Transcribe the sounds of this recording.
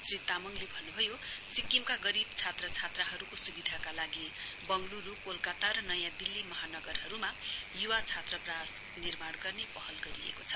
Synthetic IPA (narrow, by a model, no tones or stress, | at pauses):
srit̪amʌŋlebʱʌnːubʱʌjosikimkaɡʌɾibt͡sʰat̪rʌt͡sʰat̪rʌɦʌɾukosubid̪ʱakalaɡibʌŋɡluɾukolkat̪aɾʌnʌjãd̪ilːimʌɦanʌɡʌrɦʌɾumajuwat͡sʰat̪rʌpras | nirmaɽɡʌrnepʌɦʌlɡʌɾiḛkot͡sʰʌ